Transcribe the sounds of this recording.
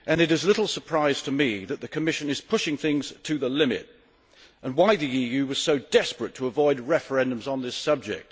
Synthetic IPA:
ʔɨ̃nɨɾɨzlɪɾl̩ˠsə˞pʰɹ̥aɪz̥tʰɨmiðɨt̪̚ðɨkʰɨmɪʃɨ̃nɨz̥pʰʊʃɪ̃ŋθɪ̃ŋz̥tʰɨðəlɪ̃mɨ̰ɾ | ə̃nwaɪðiijʉwʌz̥soʊdɛspɹɨtʰəəvɔɪd̚ɹɛfə˞ɛ̃ndɨ̃mzn̩ðɪsʌb̚d͡ʒɪ̰k̚t̚

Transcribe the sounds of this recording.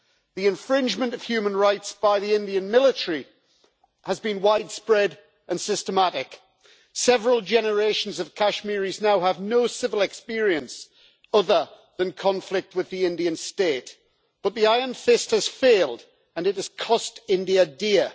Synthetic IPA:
ðiɨ̃ɱfɹɪ̃nd͡ʒmə̃ntəv̥hjʉːmə̃nɹaɪtsb̥aɪðiɪ̃ndiə̃nmɪlˠɪtəɹi | həzbĩnwaɪd̥spɹɛd | ʔə̃nsɪstəmaɾɪk | sɛvəɹəlˠd͡ʒɛnə˞eɪʃə̃n̩zəv̥kʰaʃmɪɹiznaʊəvnoʊsɪvəl̩ˠɛkspɪəɹiə̃ns | ʌðə | ðə̃nkʰɒ̃ɱflɪk̚t̚wɨðiɪ̃ndiə̃nsteɪʔ | b̥ʌt̪̚ðiaɪə˞nfɪsthəz̥feɪlˠd | ə̃nɨt̚əz̥kʰɒstɪ̃ndiədɪə

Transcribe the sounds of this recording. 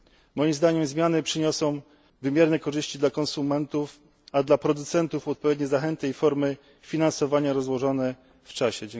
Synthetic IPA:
mɔjimzd̪aɲɛmzmʲjanɘpʂɘɲɔsɔ̃w̃ | vɘmʲjɛɾnɛkɔʐɘɕt͡ɕid̪lakɔnsumɛnt̪uf | ad̪lapɾɔd̪ut̪sɛnt̪ufɔt̪̚pɔvʲed̪̚ɲɛzaxɛnt̪ɘifɔɾmɘ | fʲinansɔvaɲaɾɔzwɔʐɔnɛ | ft͡ʂaɕɛd͡ʑɛ

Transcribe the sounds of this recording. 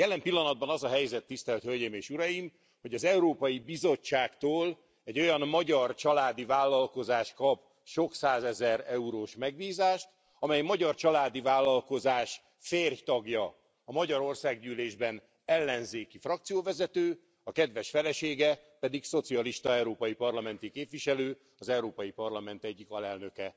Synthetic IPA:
jɛlɛmpilːɒnɒd̪̚bɒnɒzɒɦɛjzɛt̪ːist̪ɛlt̪hølɟeːmeːʃuɾɒjim | ho̞ɟɒzɛuɾoːpɒjibizo̞t͡ʃt͡ʃːaːkt̪oːl | ɛɟo̞jɒnːɒɟɒrt͡ʃɒlaːd̪ivaːlːɒlko̞zaːʃkɒp | ʃo̞ksaːzɛzɛɾɛuɾoːʃmɛɡ̚biːzaːʃt̪ | ɒmɛjmɒɟɒrt͡ʃɒlaːd̪ivaːlːɒlko̞zaːʃ | feːrjt̪ɒɡjɒ | ɒmɒɟɒɾo̞rsaːɡɟyːleːʒbɛn | ɛlːɛnzeːkifrɒkt̪sijoːvɛzɛt̪øː | ɒkɛd̪ʋɛʃfɛlɛʃeːɡɛpɛd̪ikso̞t̪siɒliʃt̪ɒɛuɾoːpɒjipɒrlɒmɛnt̪ikeːpʋiʃɛløː | ɒzɛuɾoːpɒjipɒrlɒmɛn̪t̪ɛɟːikɒlɛlnø̞kɛ

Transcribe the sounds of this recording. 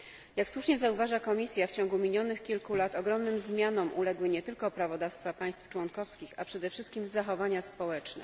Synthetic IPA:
jakswuʂɲɛzauvaʐakɔmʲisʲjaft͡ɕɔ̃ŋɡumʲiɲʲjɔnɘxkʲilkulat̪ɔɡɾɔmnɘmzmʲjanɔmʔulɛɡwɘɲɛt̪ɘlkɔpɾavɔd̪afst̪fapaj̃st̪ft͡ʂwɔnkɔfskʲixapʂɛd̪ɛfʂɘst̪̚kʲimzaxɔvaɲaspɔwɛt͡ʂnɛ̰

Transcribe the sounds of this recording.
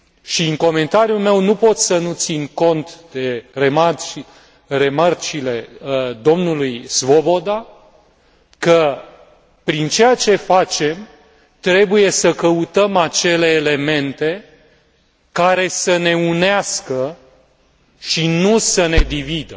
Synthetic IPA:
ʃiɨŋko̞me̞nt̪aɾjulme̞wnupo̞t̪ssənut̪sinko̞nt̪d̪̥e̞remat͡ʃi | re̞mart͡ʃile̞d̪o̞mnulujsvo̞bo̞d̪a | kə | pɾint͡ʃe̞jat͡ʃe̞fat͡ʃe̞m | t̪ɾe̞buje̞səkəut̪əmat͡ʃe̞le̞ːle̞me̞nt̪e̞ | kaɾe̞səne̞uneaskə | ʃinusəne̞d̪ivid̪ə

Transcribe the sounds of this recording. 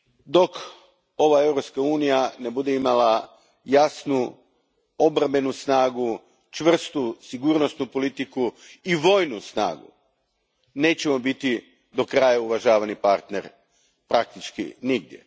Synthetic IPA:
d̪o̞k | o̞ʋae̞vɾo̞pskauːnijane̞bud̪eimala | jasnu | o̞bɾambe̞nusnaːɡu | t͡ʃʋr̩st̪usiɡuːɾnost̪nupo̞lit̪iku | iʋo̞ːjnusna̰ːɡṵ | ne̞ːt͡ɕe̞mo̞bit̪i | d̪o̞kɾajauʋaʒaːʋanipaɾt̪ne̞ɾ | pɾak̚t̪it͡ʃkḭniɡd̪jḛ

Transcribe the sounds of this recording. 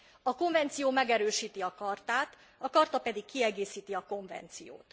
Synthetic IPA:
ɒko̞ɱvɛnt̪sijoːmɛɡɛɾøːʃiːt̪iɒkɒrt̪aːt̪ | ɒkɒrt̪ɒpɛd̪ikːiɛɡeːsiːt̪iɒko̞ɱvɛ̰nt̪sijo̰ːt̪

